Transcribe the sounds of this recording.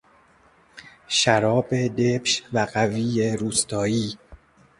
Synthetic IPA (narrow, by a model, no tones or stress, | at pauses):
ʃæɾɒːbe̞d̪ebʃvæɢæviːeɾuːst̪ʰɒːiː